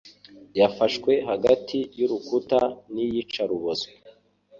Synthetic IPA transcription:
jafaʃkwe̞ɦaɡatʰijuɾukutanijit͡ʃaɾuβozo

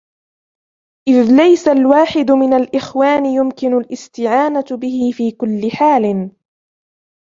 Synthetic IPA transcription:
ʔɪðlajsalwaːħɪd̪mɪnalʔɪxwaːnɪjʊmkɪnʊlʔɪst̪ɪʕaːnabɪhɪfiːkʊlːɪħaːl

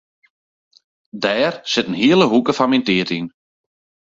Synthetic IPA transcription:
dɛːrsɪtən̩ɦiəlˠəɦukəfanmintiətin

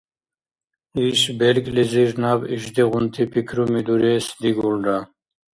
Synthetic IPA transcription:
iɕbelkliziɾnabiɕd̪iʁunt̪ʰipikʰɾumid̪uɾesd̪iɡulɖa

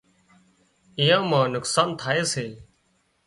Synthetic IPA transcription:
ijãːmãːnʊksaːnt̪ʰaːeːseː

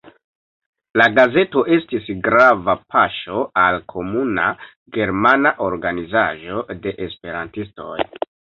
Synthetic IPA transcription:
laɡaze̞to̞ʔe̞stisɡɾavapʰaʃo̞alkʰo̞muna̰ | ɡe̞ɾmanaʔo̞ɾɡanizaʒo̞de̞ʔespe̞ɾantisto̞̰j

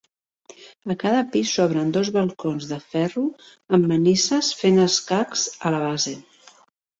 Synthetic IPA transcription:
əkaðəpisɔβ̞ɾənd̪ozβəlˠkonzðəfɛru | əmːənisəsfenəskakzələβ̞aze

